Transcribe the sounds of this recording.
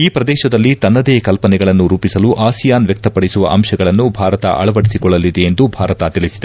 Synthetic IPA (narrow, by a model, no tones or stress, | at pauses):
iːpɾɐd̪ɛːʃɐd̪ɐlːit̪ɐnːɐd̪eːkɐlpɐnɛɡɐɭɐnːuɾuːpisɐluʔaːsijaːnʋjɛk̚t̪ɐpɐɽisuʋɐ̰ʔɐmʃɐɡɐɭɐnːubʱaːɾɐt̪ɐ̰ʔɐ̰ɭɐʋɐɽisikɔɭːɐlid̪eend̪ubʱaːɾɐt̪ɐt̪iɭisid̪e